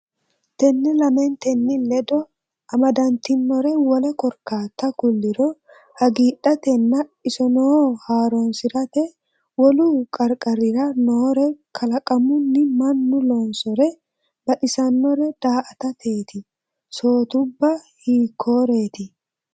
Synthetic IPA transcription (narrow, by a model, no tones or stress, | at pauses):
t̪ɛnːɪlɐmɛnt̪ɛnːɪlɛd̪ɔ | ɐmɐd̪ɐnt̪ɪnːɔɾɛwɔlɛkɔɾkaːt̪ːɐkʊlːɪɾɔ | hɐɡiːᶑɐt̪ɛnːɐɪsɔnɔhaːɾonsɪɾɐt̪ɛ | wɔlukʼɐɾkʼɐɾɪɾɐnoːɾɛkʰɐlɐkʼɐmʊnːɪmɐnːʊloːnsɔɾɛ | bɐᶑɪsɐnːɔɾɛd̪̥aːʔɐt̪ɐt̪ʰe̞ːt̪ɪ | so̞ːt̪ʊbːɐhiːkʰːoːɾe̞ːt̪ɪ